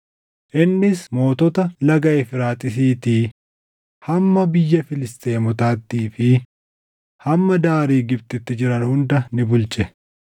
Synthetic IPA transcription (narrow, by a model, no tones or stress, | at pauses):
ʔɪnːɪsmo̞ːt̪ɔt̪ɐlɐɡɐʔɛfɪɾaːt̪ʼɪs̬iːt̪i | hɐmːɐbɪjːɐfɪlɪst̪e̞ːmɔt̪aːt̪ːiːfɪ | hɐmːɐd̪aːɾiːɡɪb̚t̪ɪt̪ːɪd͡ʒɪɾɐnhʊnd̪ɐnɪbʊlt͡ʃʼɛ